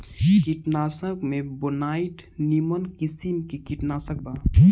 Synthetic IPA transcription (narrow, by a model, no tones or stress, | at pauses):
kiʈnaːsəkmẽbonaːiʈnimənkisimkikiʈnaːsək̚baː